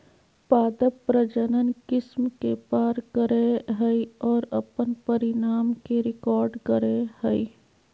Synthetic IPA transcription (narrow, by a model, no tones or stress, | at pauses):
paːd̪əpɾəd͡ʒənənkɪsmkepaːɾkəɾeɦəiɔːɾɐpənpəɾɪnaːmkeɾɪkɔːɾɖkəɾehəi